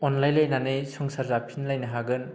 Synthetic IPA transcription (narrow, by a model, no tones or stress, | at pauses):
ɔnlajlajnanɯjsɔŋsaɾzapʰinlajnaɦaɡɯn